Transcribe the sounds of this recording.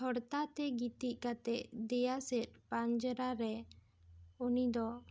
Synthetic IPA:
ɔɽt̪at̪ɛɡit̪iʔ̚ˀkat̪ɛʔd̪ɛjasɛt̪̚pand͡ʒəɾaɾɛ | unid̪ɔ

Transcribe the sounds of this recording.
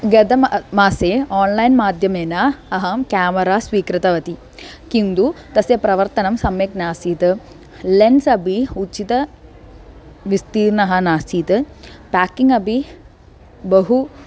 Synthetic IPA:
ɡɐd̪ɐmmaːseːaːnlɐjnmaːd̪ʱjɐmeːnaɐɦɐmkaːmɐɾaːsʋiːkɾɨt̪ɐʋɐt̪i | kind̪ut̪ɐsjepɾɐʋɐɾt̪ɐnɐmsɐmjeknaːsiːt̪ɨ | lensɐbʱiut͡ʃit̪ɐ | ʋist̪iːɾnɐɦɐnaːsiːt̪ɨpaːkːiŋɡɐbʱi | bɐɦu

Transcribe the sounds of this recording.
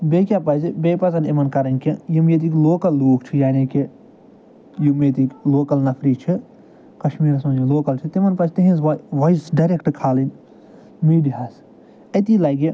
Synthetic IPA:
beːkʲjaːpɐzibeːpɐzɐnimɐnkɐɾɐnʲkijimjet̪̬ikloːkɐlːoːkt͡ʃʰijaːniːki | jimet̪ikloːkɐlnɐpʰɾiːt͡ʃʰi | kɐʃmiːɾsɐd͡ʒinloːkɐlt͡ʃʰit̪imɐnpɐst̪iɦĩnzʋɐjsɖɐɾekʈkʰaːlin | miːɖiɦaːs | ɐt̪iːlaːɡi

